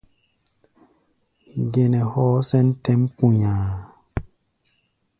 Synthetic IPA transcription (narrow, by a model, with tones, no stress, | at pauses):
ɡe˨nɛ˨hɔː˦sɛ̃˦n˦tɛ̃˦mkũ˨ɲãː˨